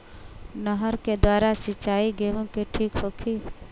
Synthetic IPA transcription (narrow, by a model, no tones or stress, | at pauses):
nəɦəɾked̪waːɾasɪt͡ʃaːiɡeɦõkeʈʰiːkɦoːkʰiː